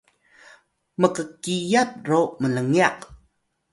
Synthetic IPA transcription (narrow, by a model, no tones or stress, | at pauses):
məkəkijat̚romələŋiaq